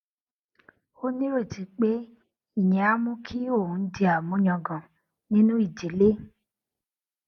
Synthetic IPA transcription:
o˦nĩ˦ɾe˦˨d͡ʒi˨k͡pe˦ | i˦˨ɲɛ̃˨a˦mũ˦kʰi˦o˦˨ũ˨n̩˦di˧a˨mũ˨˦ɲɔ̃˧ɡɔ̃˨ | nĩ˦nũ˦i˦˨d͡ʒe˨˦le˦

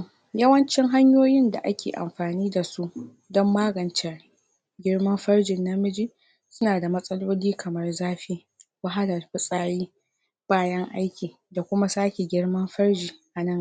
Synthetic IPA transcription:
jɐ˦wɐ˦nt͡ʃɪ˦ŋɦa˦ɲjoː˦jɪ˦nda̰˨ʔa˦kʲḛː˨ʔa̰˨mɸaː˨niː˦da˨su˦ʔ | dɔ˦mːaː˦ɡɐ˨nt͡ʃɛ˨r | ɡʲɪ˦ɽmɐ˦mɸɐ˦rd͡ʒɪ˨nːa˦mɪ˦d͡ʒi˦ | sʊ˦naː˨da˨mɐ˦sʼɐ˦loː˦liː˦kʰɐ˨mɐ˦rzaː˦ɸiː˦ | wa˦ɦa˦lɐ˨rɸʊ˦sʼaː˦ɽiː˦ | b̥aː˦jɐ˦ŋʔa˦jkʲiː˨ | da˨kʷʊ˦ma˦saː˦kʲe˨ɡʲɪ˦ɽmɐ˦mɸɐ˦ɽd͡ʒiː˨ʔa˨nɐ˦˨ŋ

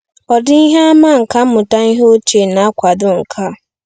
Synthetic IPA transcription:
ɔ˨dɪ˦i˦ɦe˦a˦ma˦˨ŋ̩˨ka˦m̩˦mʊ˨ta˦i˦ɦo˦t͡ʃe˨na˨a˦kʷa˨dʊ˦ŋ̩˨kʰa˦˨

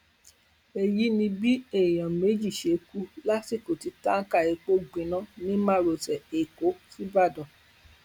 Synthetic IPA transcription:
e˧ji˦nĩ˧bi˦e˦˨j̃ã˨me˨˦d͡ʒi˦˨ʃe˨˦ku˦la˦ti˦˨ko˨ti˧ta˦ŋ̩˦ka˦˨e˧k͡po˦ɡ͡bẽ˨nã˦nĩ˦mã˦˨ɾo˨sɛ˨e˨ko˨˦fi˦ba˦˨dɔ̃˨

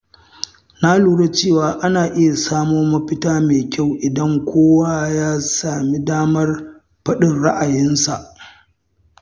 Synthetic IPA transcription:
na˦luː˦ɽe˦t͡ʃeː˦˨waː˨ʔa˦naː˨ʔɪ˦ja˨saː˦moː˦mɐ˦ɸɪ˦taː˦meː˨kʲa˦˨wʔɪ˨dɐ˦ŋkʷoː˦wa˦jaː˦saː˨mi˦daː˦mɐ˦r | ɸɐ˦ɗɪ˨nɽa˦ʔa˨jɪ˦nsa˨ʔ

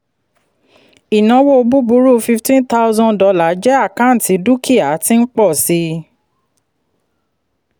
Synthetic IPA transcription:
i˨nã˧˦wo˦o˧bu˦bu˦ɾu˦fi˧ftĩ˦nta˦ʊ˦zɔ̃˦ndɔ˧la˨˦d͡ʒɛ˦a˦˨kã˨˦n̩˨ti˨˧˦du˦kʰi˦˨a˨˦ti˦n̩˦k͡pɔ˦˨si˧˦

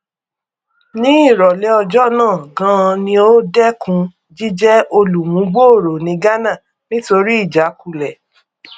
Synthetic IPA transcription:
nĩ˦i˦˨ɾɔ˨lɛ˨˦ɔ˧d͡ʒɔ˦nãː˦˨ɡã˦˧nĩ˧o˦dɛ˦kũ˧˦ | d͡ʒi˦d͡ʒɛ˦o˧lu˨mũ˨˦ɡ͡bo˦o˦˨ɾo˨nĩ˨˧ɡa˦nã˦˨ | nĩ˦to˧ɾi˦i˦˨d͡ʒa˨˦ku˨˧lɛ˨

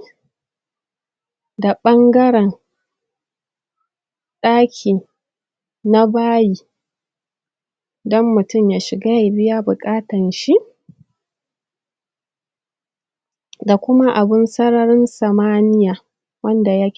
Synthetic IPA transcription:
da˨ɓɐ˦ŋɡɐ˦ɽɛ˨n | ɗaː˦kʲʰiː˨ | na˦baː˦jiː˨ | dɔ˦mːʊ˨tʊ˦˨mjaː˦ʃɪ˨ɡaː˦ja˨bɪ˦ja˦bʊ˨kʼaː˦tɐ˨nʃi˦ʔ | da˨kʷʊ˦ma˦ʔa˨bɪ˦nsɐ˦ɽɐ˦ɾɪ˦nsɐ˨maː˦nɪ˦jaː˨ | wɐ˦nda˨ja˦

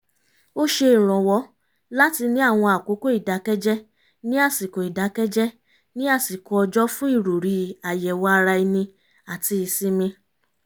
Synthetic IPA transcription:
o˦ʃe˧i˦˨ɾ̃ɔ̃˨wɔ˧˦ | la˦ti˧nĩ˦a˦˨w̃ɔ̃˧a˨ko˨˦ko˦i˦˨da˨˦kɛ˦d͡ʒɛ˦ | nĩ˦a˦˨si˨ko˨i˨da˨˦kɛ˦d͡ʒɛ˦ | nĩ˦a˦˨si˨kɔ˧ɔ˧d͡ʒɔ˦fũ˦i˦˨ɾo˨ɾi˧a˨jɛ˨wɔ˧˦a˧ɾa˧i˧nĩ˧ | a˨ti˧i˧si˦mĩ˧

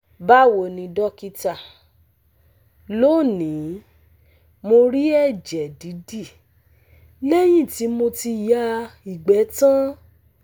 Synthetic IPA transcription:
ba˦˨wo˨nĩ˧dɔ˦ki˧ta˦˨ | lo˦˨nĩ˨˦ | mo˧ɾi˦ɛ˦˨d͡ʒɛ˨di˨˦di˦˨ | le˦j̃ĩ˦˨ti˨˦mo˧ti˧ja˦i˨ɡ͡bɛ˨˦tã˦

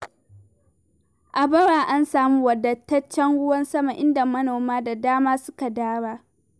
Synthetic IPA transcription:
ʔa˨bɐ˦ɽaː˨ʔa˦nsaː˨muː˦wɐ˨dɐ˨tːɐ˦t͡ʃːɐ˦ŋɽʊ˦wɐ˦nsɐ˦ma˨ʔɪ˦nda˨mɐ˦noː˨maː˦da˨daː˦maː˦sʊ˦ka˨daː˦ɽaː˦

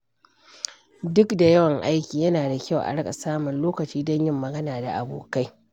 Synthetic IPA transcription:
dʊ˦kda˨jɐ˦wɐ˨ŋʔa˦jkʲiː˨jɐ˦naː˨da˨kʲa˦˨wʔa̰˨ɽɐ˦kʼa̰˨saː˦mʊ˨nloː˦kɐ˨t͡ʃiː˦dɔ˦ɲjɪ˦mːɐ˨ɡɐ˦naː˨da˨ʔa˨bo̰ː˨ka˦j

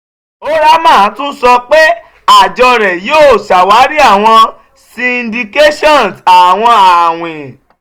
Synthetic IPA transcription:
o˦ɾa˦mã˦˨˦tũ˦sɔ˧k͡pe˦ | a˦˨d͡ʒɔ˧ɾɛ˨joː˦˨sa˨wa˨˦ɾi˦a˦˨w̃ɔ̃˧ | si˧ĩ˧ndi˧ke˦ʃɔ̃˦˨n˨sa˨w̃ɔ̃˧a˨w̃ẽ˨

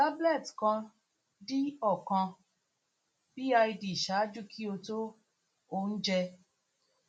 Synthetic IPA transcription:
ta˦blɛ˦˨tkã˧ | di˦ɔ˦˨kã˧ | b̥i˦a˧i˧di˨ʃa˨˦d͡ʒu˦kʰi˦o˧to˦ | o˧˨n̩˦d͡ʒɛ˧

